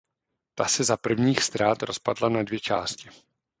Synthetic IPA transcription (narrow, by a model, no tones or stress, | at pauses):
t̪asɛzapr̩vɲiːxst̪ɾaːt̪ɾo̞spadlanadvjɛt͡ʃaːscɪ